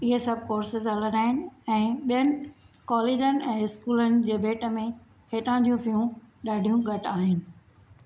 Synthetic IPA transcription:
ɪɦesɐbʱɪkoːɾsɪzɦɐləɗaːɦɪnɪ̆ɛ̃ːɓijənɪ̆ | kɔːleːd͡ʑənɪ̆ɛ̃ːɪskuːlənɪ̆d͡ʑeːbʱeːʈə̆mẽ | heːʈãːd͡ʑijũpijũɗaːɖʱijũɡʱɐʈaːɦɪnɪ̆

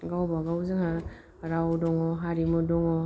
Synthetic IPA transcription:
ɡawbaɡawzɯŋa | ɾawdɔŋɔɦaɾimudɔŋɔ

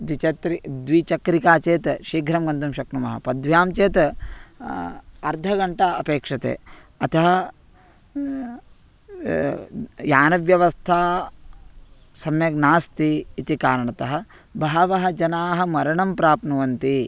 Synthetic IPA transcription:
d̪ʋit͡ʃɐt̪ɾid̪ʋit͡ʃɐkɾikaːt͡ʃeːt̪ʃiːɡʱɾɐmɡɐnt̪umʃɐknumɐɦɐ̰pɐd̪ʋjaːmt͡ʃeːt̪ | ɐɾd̪ʱɐɡɐɳʈɐɐpeːkʂɐt̪ḛː | ɐt̪ʰɐɦɐ | jaːnɐʋjɐʋɐst̪ʰaː | sɐmjɐɡnaːst̪iːt̪ikaːɾɐɳɐt̪ɐɦɐ̆ | bʱɐɦɐʋɐɦɐd͡ʒɐnaːɦɐ̆mɐɾɐɳɐmpɾaːpnɐʋɐnt̪i

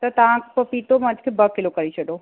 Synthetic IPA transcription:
t̪ɐt̪ãkpəpit̪omɐ̃d͡ʒkʰebəkɪlokəɾit͡ʃʰəɖo

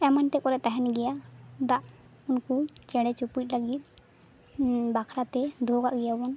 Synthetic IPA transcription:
ɛmanʈ̪ɛkɔɾɛt̪aɦɛnɡɛjad̪aʔ | unkut͡ʃɛɽɛt͡ʃupit̚ˀlaɡit̪̚ˀ | bakʰɾat̪ɛd̪ʱɔɡaʔɡɛjabɔn

